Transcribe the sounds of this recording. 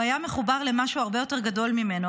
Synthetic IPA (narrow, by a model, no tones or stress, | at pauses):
ajameχubaʁle̞maʃuaʁbe̞jo̞te̞ʁɡado̞lmimeno